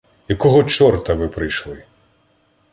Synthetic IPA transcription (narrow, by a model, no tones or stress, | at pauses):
jɐkɔɦɔt͡ʃɔrt̪ɐʋɪpɾɪjʃlˠɪ